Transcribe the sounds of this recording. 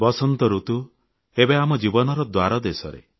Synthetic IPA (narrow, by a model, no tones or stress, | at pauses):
bɔsɔnt̪ɔɾut̪u | ebeamɔd͡ʒibɔnɔɾɔd̪waɾɔd̪esɔɾḛ